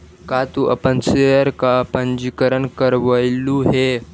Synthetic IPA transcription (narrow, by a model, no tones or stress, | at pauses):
kat̪uʔapənsejəɾkapənd͡ʑikəɾəɳkəɾʋəjluɦe